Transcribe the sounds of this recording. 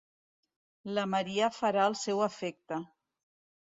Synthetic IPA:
ləməɾiəfəɾaəlˠsɛwəfɛk̚t̪ə

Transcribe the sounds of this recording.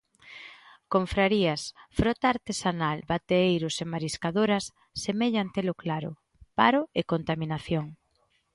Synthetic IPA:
koɱfɾaɾiɐsfɾɔt̪aːɾt̪esanalbat̪eejɾʊsemaɾiskaðoɾɐsː | emeʎant̪elʊklaɾʊ̰ | pa̰ɾʊekont̪aminaθjoŋ

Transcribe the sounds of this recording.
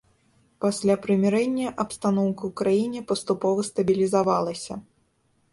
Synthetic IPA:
pasʲlʲapɾɨmʲɛɾɛnʲːɐʔɐpst̪anɔwkɐwkɾajinʲɛpɐst̪upɔvɐst̪ɐbʲilʲizavalˠɐsʲɐ

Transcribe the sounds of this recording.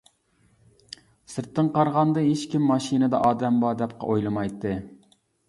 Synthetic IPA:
sɨɾt̪ːɨŋqɑɾʁɑnd̪ɨɦet͡ʃkʲimːɑʃinɨd̪ɑʔɑːd̪ɛmbɑd̪ɛp̚qʰɑ̰ʔojlˠɨmɑjt̪ːɨ

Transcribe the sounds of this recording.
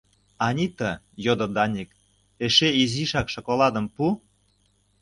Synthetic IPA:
ɑnʲit̪ə̆ | jod̪ŏd̪ɑnʲik | eʃeiziʃɑkʃokolɑd̪ə̆mpu

